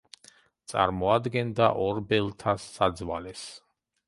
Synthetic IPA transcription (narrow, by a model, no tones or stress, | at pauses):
t̪sʼa̰ɾmɔad̪ɡɛnd̪aʔɔɾbɛlˠt̪ʰasːad̪zwalɛs